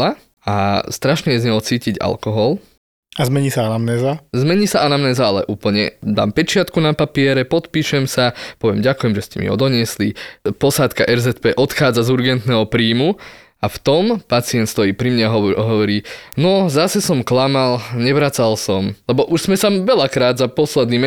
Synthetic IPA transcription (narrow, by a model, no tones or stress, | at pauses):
a | ast̪ɾaʃɲɛjɛzɲɛɔlt͡siːciɟa̰lkɔɦɔl | azmɛɲiːsaanamnɛːzazmɛɲiːsaʔanamnɛːzaalɛ̰ʔuːpl̩ɲɛ̰d̪a̰ːmpɛt͡ʃɪat̪kunapapɪɛɾɛpɔt̪piːʃɛmsapɔʋɪɛmɟakujɛmʒɛscɛmḭɦɔ̰d̪ɔɲɪɛslipɔsaːt̪kaʔɛɾzɛt̪pɛːʔɔt̪xaːd͡zazuɾɡɛnt̪nɛːɦɔpɾiːmu | aft̪ɔmpat͡siɛnt̪st̪ɔjiːpɾimɲaɦɔɦɔʋɔɾiːnɔzasɛsɔmklamalɲɛʋɾat͡salsɔmlɛbɔʔuʒz̥mɛsaʋɛʎakɾaːd̪zapɔslɛd̪nim